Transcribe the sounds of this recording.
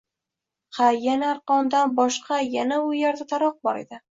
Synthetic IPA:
qʰɑjanaːɾqɒnd̪anbɒʃqʰɑjanaʊjaɾd̪at̪ʰaɾɒq̚bɒɾḛd̪ɪ

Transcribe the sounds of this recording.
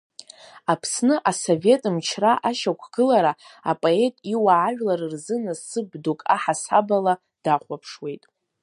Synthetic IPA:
apʰsnɨʔaso̞ve̞tʼɨmt͡ʃʰraʔaʃakʷʰɡ̥ɨlaɾaa̰pʼoe̞tʼiwaʕaʒᶣlaɾɨrzɨnɨsɨbdokʼa̰ħasabala | d̥aχʷapʰʂwe̞jtʼ

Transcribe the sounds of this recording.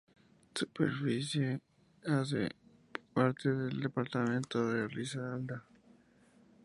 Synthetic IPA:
supḛɾfisje | as̬ḛ | paɾt̪eðeld̪epaɾt̪amẽnt̪oðerisaald̪a

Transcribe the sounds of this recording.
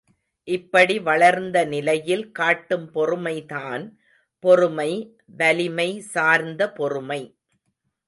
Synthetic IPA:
ʔɪpːɐɽiʋɐɭɐɾnd̪ɐnɪlɐjɪlkaːʈːɯmpɔrɯmɐɪðaːn | pɔɾɯmɐɪ | ʋɐlɪmɐɪsaːɾnd̪ɐpɔrɯmɐɪ

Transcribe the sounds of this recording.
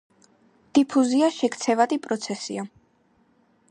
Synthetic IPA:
d̪̥ipʰuziaʃɛkt̪sʰɛvad̪ipʼɾɔt̪sʰɛsḭa

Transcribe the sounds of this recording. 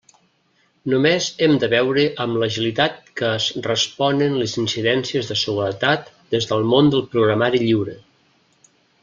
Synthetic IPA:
numezɛmd̪əβɛwɾəʔəmləʒilit̪at̪̚kəːzrəspɔnənləzinsiðɛnsiəzðəsəɣuɾət̪at̪ | d̪ezðəlˠmond̪əlˠpɾuɣɾəmaɾiʎiwɾə

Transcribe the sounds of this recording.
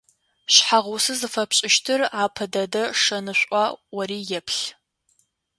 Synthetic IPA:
ɕħaʁʊsɨzɨfɐpɕʼɪʃtʰɨraːpʰɐdɐdɐʂɐnɨɕʷʼɑwɐɾiːjɛpʰɬ

